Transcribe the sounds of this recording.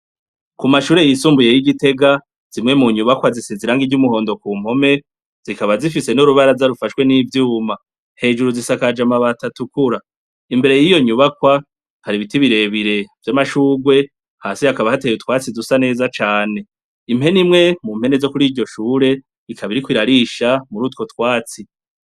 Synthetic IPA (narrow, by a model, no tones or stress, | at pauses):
kumaʃuːɾe̞jisuːmbuje̞jiɡite̞ɡa | z̥imŋe̞muɲuβakwaziseziɾaŋɡiɟumuho̞ːndokuːm̥ho̞me̞ | z̥ikaβazifise̞nuɾuβaɾazaɾufaʃwe̞nivjuːma | he̞ːd͡ʒuɾuzisakad͡ʒamaβatatukuɾa | imbe̞ɾe̞jijo̞ɲuβakwa | haɾiβitiβiɾe̞βiɾe̞vjamaʃuːɡwe̞ | haːsihakaβahatejutwaːt͡sizusane̞ːzat͡ʃaːne̞ | imhe̞nimŋe̞mumhe̞ne̞zo̞kuɾiːɾɟo̞ʃuːɾe̞ | ikʰaβiɾikwiɾaɾiʃamuɾuːtko̞twaːt͡si